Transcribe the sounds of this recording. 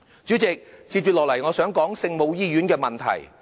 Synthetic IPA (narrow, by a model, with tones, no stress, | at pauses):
t͡syː˨˥t͡sɪ˨k̚t͡siː˧p̚t͡ʃy˨t̚lɔː˨˩lɐ˨˩jŋɔː˨˧sœː˨˥ŋkɔː˨˥ŋsɪ˧ŋmo˨˧wjiː˥jyː˨˥nkɛː˧mɐ˨nt̪ʰɐ̰˨˩j